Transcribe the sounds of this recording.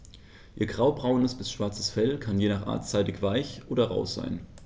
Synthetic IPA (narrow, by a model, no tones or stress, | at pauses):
ʔiːɐɡʁaʊbʁaʊnəsb̥ɪsʃv̥aɐt͡sə̥sfɛlkʰanjeːnaːχʔa̰ːɐtt͡saɪtɪçv̥aɪçʔoːdɐʁa̰ʊsz̥a̰ɪn